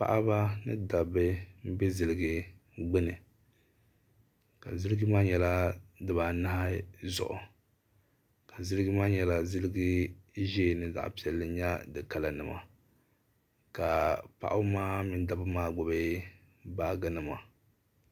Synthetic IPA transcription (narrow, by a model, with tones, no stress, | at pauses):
pa̰˦ʔa˦ba˦nɨ̰˦da˨bɨ˦m̩˦bɛ˦zɨ˨lɨ˨ɡɨ˦ɡ͡bɛ˦nɨ˨ | ka˨zɨ˦lɨ˦ɡɨ˦maː˦ɲɛ˨la˦dɨ˨ba˨na˦ha˦zʊ̰˨ʔʊ̰˨ | ka˨zɨ˦lɨ˦ɡɨ˦maː˦ɲɛ˨la˨zɨ˦lɨ˦ɡɨ˦ʒe˦˨nɨ˨za̰˨ʔpi˨ɛ˨lːɨ˨˦ɲa˦dɨ˨ka˨la˨nɨ˨ma̰˨ | ka˨pa̰˦˨ʔa˦maː˦mi˨nda˨bɨ˦maː˦ɡ͡bʊ˨be˦ | baː˦ɡɨ˦nɨ˨ma˨